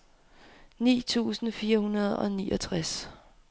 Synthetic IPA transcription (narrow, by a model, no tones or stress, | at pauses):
nḭːt͡sʰṵːsn̩fiːɐhunɐð̞̩ˠɒ̽niːʔɒt͡sʰʁas